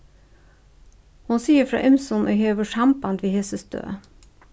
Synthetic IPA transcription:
hʊnsiːəfɾɑ̰ːʔɪmsɔnʔo̰ːheːʋəʃɑmbɑnd̪ʋiːhesəsd̪̥ø̰ː

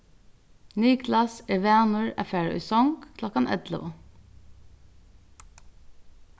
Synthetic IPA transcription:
nyːɡlɑsɛʋeːnʊɹæ̰fæːɹʏ̰sɔŋɡkʰlɔkɑnʔɛ̰d̪lə̰ʋə

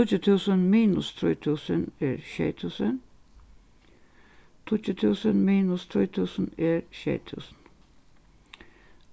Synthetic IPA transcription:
t̪ʊtət̪ʰʉːsənmiːnʊst̪ʰɾuːt̪ʰʉːsəneɾʃḛːt̪ʰʉːsən | t̪ʰʊtət̪ʰʉːsənmiːnʊst̪ʰɾṵːt̪ʰʉːsən̩eɾʃḛːt̪ʰʉ̰ːsən

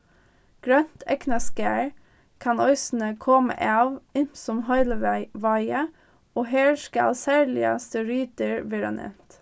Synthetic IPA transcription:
ɡ̥ɾœnt̪ʰɛknɑskæːɹ | kʰɑnœʏsn̩əkʰɔmə̰ʔɑːʋɪsɔmhœʏləʋɑɪə | oːheːʃkəɑ̰lsæːɹɭɪɑ̰st̪əɾyːt̪əɹʋeːɾɑ̰nʔɛ̰t̪

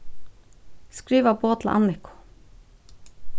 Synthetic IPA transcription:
skɾiːʋaboːt̪l̰ʔɑ̰nɪkʊ̥

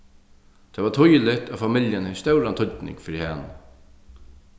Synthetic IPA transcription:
t̪ʰɛːʋat̪ʰʊjlɪt̪aːfamɪljənhɪst̪œwɾant̪ʰʊt̪nɪ̰ŋkfɪɾihan

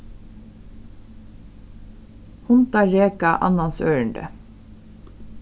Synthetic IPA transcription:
hʊnt̪ɑɹeːkɑʔɑ̰nɑnsøːɹəɳd̪ə̰

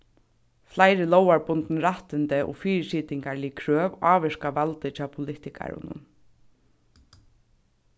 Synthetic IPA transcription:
flajɾɪlɔwaɹpʊnt̪nɾaht̪ɪnt̪ɪʔɔ̰fiːɾsiːt̪ɪŋkaɾlɪkʰɾøːʋaːʋɪʂkaʋalt̪ɪt͡ɕʰaːpʰʊlɪht̪ɪkʰa̰ɾʊ̰nʊ̰n

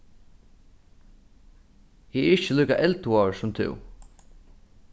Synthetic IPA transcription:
hiːɛɾɪt͡ɕːəliːka̰ʔɛlt̪uɔːsʊmt̪ʰɪ̰w

